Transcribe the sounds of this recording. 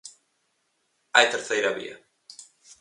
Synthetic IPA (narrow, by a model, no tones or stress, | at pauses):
ajt̪eɾθejɾaɐβḭɐ